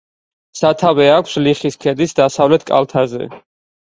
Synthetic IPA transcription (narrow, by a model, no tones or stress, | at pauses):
sat̪ʰavɛakʷʰsliχiskʰɛd̪isd̪asavlɛt̪ʰkʼa̰lˠt̪ʰazɛ̰